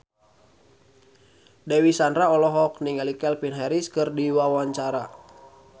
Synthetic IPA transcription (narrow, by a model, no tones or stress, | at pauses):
dɛwisanɾaɔlɔɦɔkniŋɛlikɛlpinɦɛɾiskɨrdiwawaɲt͡ʃaɾa